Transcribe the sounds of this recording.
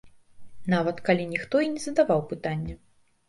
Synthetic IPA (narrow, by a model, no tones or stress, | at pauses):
navɐt̪kalʲinʲixt̪ɔinʲɛzɐd̪avawpɨt̪anʲːɐ